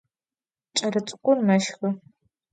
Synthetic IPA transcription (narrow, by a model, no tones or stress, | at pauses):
t͡ʃʼɐɾɨt͡sʷʼkʷʊrmɐʃxɐ